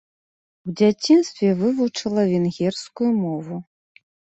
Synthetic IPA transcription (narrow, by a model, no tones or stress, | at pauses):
wd͡zʲat͡sʲinst̪vʲɛvɨvut͡ʂɐlˠɐvʲɛnɣʲɛrskujumɔvu